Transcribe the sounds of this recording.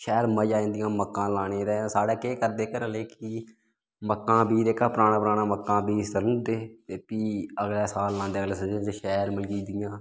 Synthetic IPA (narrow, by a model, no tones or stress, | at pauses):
ʃɛːɾməd͡ʒaːĩːnd̪ɪjãːməkːãːlaːɽẽːɾɛ̃ːsaːɽɛːkeːkəɾd̪eːkəɾəleːki | məkːãːbʱiːd̪eːkaːpəɾaːɽ̃aːpɾaːnaːməkːãːbiːst̪ələd̪eːt̪eːpiːəɡlɛːsaːlːãːnd̪eːəɡleːsəd͡ʒẽːd͡ʒeʃɛːɾməlɡiːd̪ɪjãː